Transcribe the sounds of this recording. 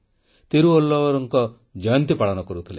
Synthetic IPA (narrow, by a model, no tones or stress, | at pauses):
t̪eɾuolːɔɔɾɔŋkɔ | d͡ʒɔjɔnt̪ipaɭɔnɔkɔɾut̪ʰile